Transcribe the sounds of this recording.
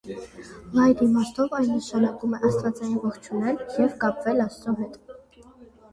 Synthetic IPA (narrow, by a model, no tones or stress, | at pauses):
ɑjd̪imɑst̪ʰɔvɑjnːəʃɑnɑkumɛʔɑst̪vɑt͡sɑjinvɔχt͡ʃʰunɛljɛvkɑpvɛlɑsɾɔɦɛt̪